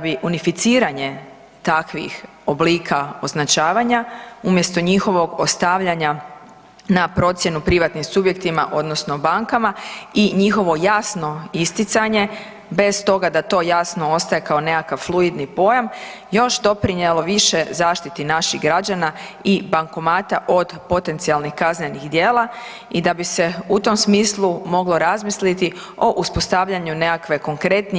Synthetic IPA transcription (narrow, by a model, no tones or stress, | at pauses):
abiʔunifit̪siːɾaɲe̞ | t̪akʋḭx | obliːkʰao̞znat͡ʃaːʋaɲaumje̞st̪o̞ɲixo̞ʋo̞ɡo̞st̪aʋʎaɲa | napɾo̞t̪sje̞nupɾiʋat̪nimsubje̞kt̪ima̰ʔo̞d̪no̞sno̞baŋkamaiɲixo̞ʋo̞jasno̞ist̪it̪saɲe̞ | be̞st̪o̞ɡad̪at̪o̞ːjasnoost̪aje̞kao̞ne̞kakaʋflˠuid̪nipo̞jam | jo̞ʃd̪o̞pɾiɲje̞lo̞ʋiʃe̞zaːʃt̪it̪inaʃiɣɡɾad͡ʑana | ibaŋko̞maːt̪aʔo̞d̪po̞t̪e̞nt̪sialˠnixkazɲeniɣd̪je̞ːlˠa | id̪abise̞ut̪o̞msmiːslˠumo̞ɡlo̞ɾazmislit̪i | o̞ʔuspo̞st̪aʋʎaɲune̞kakʋe̞koŋkɾe̞t̪ni